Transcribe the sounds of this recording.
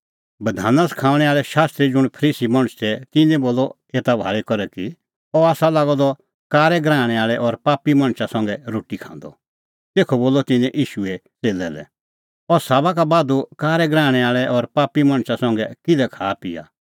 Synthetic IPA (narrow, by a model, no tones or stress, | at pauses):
bɐd̪ʱaːnaskʰãːʋɽ̃ɛaːɭɛʃaːst̪ɾid͡zʊɽ̃pʰəɾiːsimɐ̃ɽ̃st̪ʰɛt̪ɪnɛ̃boːlɔ | eːt̪abʱa̰ːɭɛkɔɾɛki | ɔaːsalaːɡɔd̪ɔ | kaːɾɛɡɾãːɽ̃ɛaːɭɛʔɔɾpaːpimɐ̃ɽ̃ʃasɔ̃ŋɡɛɾoːʈikʰã̰ːnd̪ɔ | t̪eːkʰɔboːlɔt̪ɪ̃nɛ̃ʔiːʃuɛt͡seːlɛlɛ̰ | ɔsaːβak̬abaːd̪ukaːɾɛɡɾãːɽ̃ɛaːɭɛʔɔɾpaːpimɐ̃ɽ̃sasɔ̃ŋɡɛkɪd̪ɛkʰaːpɪja̰